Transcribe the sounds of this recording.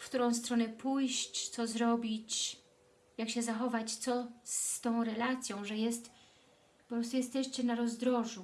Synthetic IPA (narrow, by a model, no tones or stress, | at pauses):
fkt̪uɾɔ̃w̃st̪ɾɔnɛpʰujɕt͡ɕt̪sɔzɾɔbʲit͡ɕ | jakɕɛzaxɔvat͡ɕt̪sɔst̪ɔ̃w̃ɾɛlat̪sʲjɔ̃w̃ʐɛjɛst̪ | pɔpɾɔst̪ujɛst̪ɛɕt͡ɕɛnaɾɔzd̪ɾɔʐu